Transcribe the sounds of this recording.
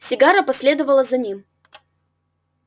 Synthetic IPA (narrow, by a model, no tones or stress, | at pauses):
sʲɪɡaɾəpɐsʲlʲe̞d̪əvəlˠəzɐnʲim